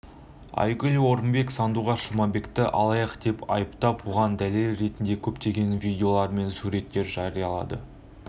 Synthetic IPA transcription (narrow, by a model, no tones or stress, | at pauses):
ɑ̰jɡʲʏlʲwo̞ɾəmbe̞ksɑnd̪uʁɑʃəmɑbe̞kt̪ɪʔɑ̰lˠɑjɑqd̪e̞pʰɑ̰jəpt̪ɑpwoʁɑnd̪æle̞lɾe̞t̪ɪnd̪e̞kʲʰɵpt̪e̞ɡʲe̞nvʲijdʲeo̞lˠɑɾme̞nsuɾe̞t̪ːe̞ɾʒɑɾijɑlˠɑ̰d̪ə̰